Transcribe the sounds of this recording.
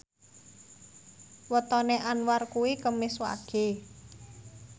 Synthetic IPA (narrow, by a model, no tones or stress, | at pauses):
wət̪ɔneʔanwarkuwikəmɪswa̰ɡ̥e̤